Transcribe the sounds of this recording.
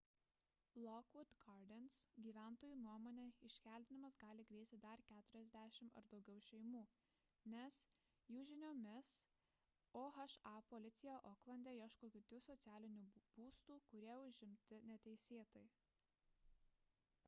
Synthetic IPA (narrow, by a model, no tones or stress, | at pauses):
lˠɔkʋʊt̪ɡɑɾd̪ʲɛnsɡʲiːʋʲæˑnt̪oːjuːnuɔmoːnʲeːɪʃʲkʲæːˑlʲt̪ʲɪnʲɪmɐsɡɑːlʲɪɡɾʲeːsʲt̪ʲɪd̪ɐɾkʲæːt̪ʊɾʲɛzʲd̪ʲæːʃʲɪmɐ̰ɾd̪ɒʊɡʲɛʊʃʲɛɪmuː | nʲɛs | juːʒʲɪnʲoːmʲɪs | oːxɐʃɑpoːlʲɪt̪sʲɪjɛːʔoːklˠɐnd̪ʲeːiɛʃkoːkʲɪt̪ʲʊsɔt̪sʲæːlʲɪnʲuːb̥uːst̪uːkʊɾʲiɛʊʒʲɪmʲt̪ʲɪnʲɛt̪ʲɛɪsʲeːt̪ɐɪ